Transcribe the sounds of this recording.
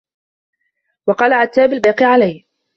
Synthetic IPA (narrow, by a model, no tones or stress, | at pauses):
wɑqɑːlaʕat̪ːaːbalbaːqiʕalaj